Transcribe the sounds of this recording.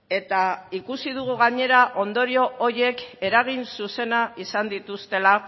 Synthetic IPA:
e̞t̪aikusið̞uɣ̞uɣaɲe̞ɾaʔo̞nd̪o̞ɾio̞oɾie̞ke̞ɾaɣ̞insuse̞naisand̪it̪ust̪e̞la

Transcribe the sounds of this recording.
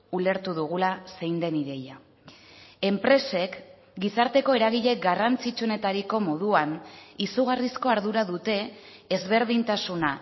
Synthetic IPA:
ule̞ɾt̪uðuɣ̞ulase̞jnd̪e̞niðe̞ja | e̞mpɾe̞se̞k | ɡisaɾt̪e̞ko̞e̞ɾaɣ̞iʎe̞ɡarant͡sit͡ʃuone̞t̪aɾiko̞mo̞ð̞uanisuɣ̞arisko̞aɾðuɾaðut̪e̞ː | zβe̞ɾðint̪asuna

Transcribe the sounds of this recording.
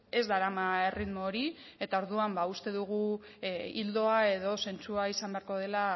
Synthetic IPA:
e̞zd̪aɾamae̞riðmo̞ːɾi | e̞t̪ao̞ɾðuambaust̪e̞ðuɣ̞u | ild̪o̞ae̞ðo̞se̞nt͡suaisambe̞aɾko̞ð̞e̞la

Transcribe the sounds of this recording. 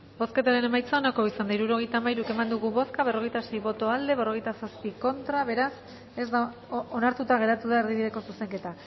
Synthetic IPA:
bo̞ske̞t̪aɾene̞majt͡saonako̞isand̪aiɾuɾo̞ɣ̞e̞jt̪aːmajɾuke̞mand̪uɣuβo̞skaβ̞e̞ro̞ɣ̞e̞jt̪ase̞jβo̞t̪o̞ald̪e̞βero̞ɣ̞e̞jt̪asaspiko̞nt̪ɾaβe̞ɾas | e̞zd̪a | onaɾt̪ut̪aɣ̞e̞ɾat̪uðaeɾðiðiɾeko̞suse̞ŋke̞t̪a

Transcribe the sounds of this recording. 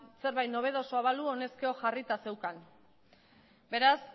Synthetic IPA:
se̞ɾβajt̪no̞β̞e̞ð̞o̞soaβaluo̞ne̞skeo̞ʝarit̪ase̞wkan | be̞ɾas

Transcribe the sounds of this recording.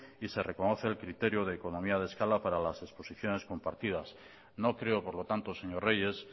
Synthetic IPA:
ise̞re̞ko̞no̞θe̞ːlkɾit̪e̞ɾjoð̞eːko̞nõ̞miað̞e̞skalapaɾalase̞spo̞siθjo̞ne̞sko̞mpaɾt̪ið̞as | no̞kɾe̞o̞po̞ɾlo̞t̪ant̪oseɲo̞re̞je̞s

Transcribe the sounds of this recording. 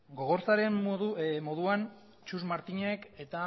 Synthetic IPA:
ɡo̞ɣ̞o̞ɾt͡saɾe̞mumo̞ðuan | t͡ʃuzmaɾt̪iɲe̞ke̞t̪a

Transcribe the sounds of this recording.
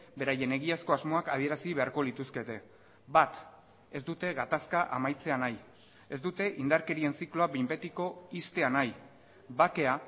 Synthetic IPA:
be̞ɾaje̞ne̞ɣiasko̞azmo̞akað̞ie̞ɾasiβe̞aɾko̞lit̪uske̞t̪e̞ | bat̪ | e̞zd̪ut̪e̞ɣat̪askaʔa̰majt͡se̞anaj | e̞zd̪ut̪e̞ʔind̪aɾke̞ɾie̞nsiklo̞abimbe̞t̪iko̞ist̪e̞anaj | bake̞a

